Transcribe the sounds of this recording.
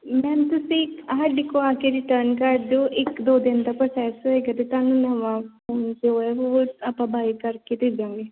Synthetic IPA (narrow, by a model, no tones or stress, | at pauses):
mɛ̃ːnt̪ʊsĩɪkəɦəɖɪkoaːkeɾɪʈəɾnkaɾɖd͡ʒoːʔɪkd̪oːd̪ɪnd̪apɾoːsɛːsoeːɡat̪et̪aːnũnɐʋafoːnd͡ʒoɛoapãbaːikəɾket̪id͡ʒãːŋɡeː